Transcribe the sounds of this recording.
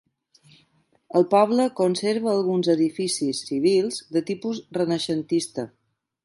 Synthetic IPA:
əlˠpɔβləkonseɾβəːlˠɣunzəðifisisiβ̞ilˠzd̪ət̪ipuzrənəʃənt̪ist̪ə

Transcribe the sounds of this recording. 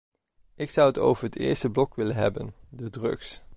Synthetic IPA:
ɪksʌwəto̰wvəɹɦətɪ̰ːɹstəblɔkʋɪlənɦɛ̰bə̰ndədrɵ̰ks

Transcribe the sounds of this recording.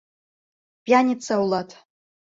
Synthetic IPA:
pʲʼjanʲit͡sʰawlˠatʰʼ

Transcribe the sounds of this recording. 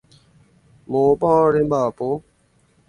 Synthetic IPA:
moːpãːɾẽmbaːpoː

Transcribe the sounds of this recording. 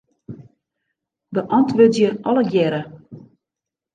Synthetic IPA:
bəʔɔntʋøtjəʔɔləɡjɛɾə

